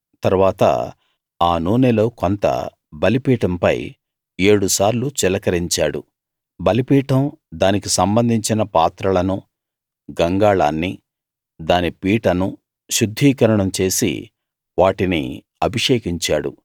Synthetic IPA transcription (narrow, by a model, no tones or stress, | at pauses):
t̪ɐɾuʋaːt̪ɐ̰ | aːnuːnelo̞ːkont̪ɐ̰ | bɐlipiːʈɐmpɐ̰j | e̞ːɽusaːɾlut͡ʃɛlɐkɐɾiɲt͡ʃaːɽṵ | bɐlipiːʈɐmd̪aːnikisɐmbɐnd̪ʱiɲt͡ʃinɐpaːt̪ɾɐlɐnu | ɡɐŋɡaːɭa̰ːnːi | d̪aːnipiːʈɐnu | ʃud̪ʱːiːkɐɾɐɳɐmt͡ʃe̞ːsḭ | ʋaːʈinḭ | ɐbʱiʂeːkiɲt͡ʃaːɽṵ